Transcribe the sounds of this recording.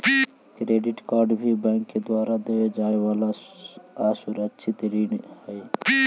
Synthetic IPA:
kɾeːɖɪʈkaːɾɖbʱibɛ̃ːŋkːed̪waːɾad̪eːed͡ʒaːeʋaːla | aːsʊɾət͡ʃʰɪt̪ɾiːnhɛe

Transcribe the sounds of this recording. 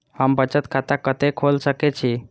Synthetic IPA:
həmbət͡ʃət̪kʰat̪akət̪ekʰolsəkɛt͡ʃʰi

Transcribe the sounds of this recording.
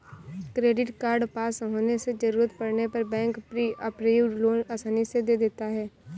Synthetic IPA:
kɾeːɖɪʈkaːɾɖpaːsɦoːnesed͡ʒəɾuːɾət̪pɐɽnepɐɾbɛ̃ːŋkpɾiːəpɾejuloːnaːsaːnised̪eːd̪eːt̪aɦɛː

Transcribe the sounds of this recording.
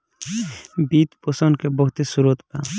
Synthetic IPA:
biːt̪posənkebɔɦʊt̪esuɾot̪pa̰

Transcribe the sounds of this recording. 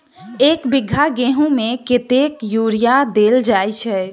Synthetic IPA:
ekbiɡʱaɡeɦũmeket̪ekjuɾijad̪eld͡ʒajt͡ʃʰɛ

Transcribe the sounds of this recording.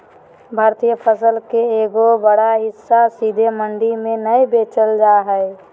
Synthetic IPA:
bʱaːɾt̪ijəpʰəsəlkeeːɡobəɽaɦɪsːasid̪ʱeməɳɖimẽnəjbeːt͡ʃəld͡ʒaɦɛɛ

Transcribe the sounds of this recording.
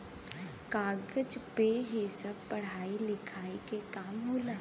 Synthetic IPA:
kaːɡəd͡ʒpeɦisɐb̚pɐɽ̤aːilɪkʰaːikekaːmɦoːlaː

